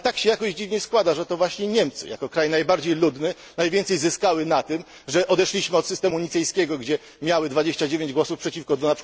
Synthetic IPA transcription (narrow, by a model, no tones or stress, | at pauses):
t̪akɕɛjakɔʑd͡ʑivɲɛskwad̪aʐɛt̪ɔvwaɕɲɛɲɛmt̪sɘ̰ja̰kɔkɾajnajbaɾd͡ʑejlud̪nɘ | najvʲɛnt̪sɛjzɘskawɘnat̪ɘm | ʐɛʔɔd̪ɛʂlʲiɕmɘɔt̪sɨst̪ɛmuɲit̪sɛjskʲɛɡɔɡd͡ʑɛ | mʲjawɘd̪vad͡ʑeɕt͡ɕad͡ʑevʲjeɲd͡ʑɡwɔsufpʂɛt͡ɕifkɔd̪ɔnapʂ